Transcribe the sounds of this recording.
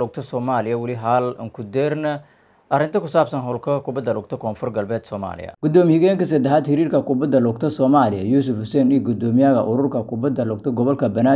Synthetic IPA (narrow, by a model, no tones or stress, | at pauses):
lɔɡ̚t̪ʰɐsɔːmaːlɪjɐwɪlɪɦaːlɪ̰ŋkʰʊd̪ɛːrnɐ | ʔɐɾɪnt̪ʰɐkʊsaːbsɐnɦɔlkʰɐkʊbɐd̪ɐlɔɡ̚t̪ʰɔkʰɔːnfɔrɡɐlbɛːd̪sɔːma̰ːlɪ̰jɐ̰ɡ̥ʊd̪ɔːmɪhɪɣɛːŋkɐsɐd̪ɛɦaːd̪hɪɾiːrkɐkʊbɐd̪ɐlɔɡt̪ʰɐsɔːmaːlɪjɐjuːs̬ʊfhʊsɛːniːɡʊd̪ɔːmɪjaːɣɐʔʊɾʊrkʰɐkʰʊbɐd̪ɐlɔːɡ̚t̪ʰɔɡɔβɔlkʰɐbɐnaː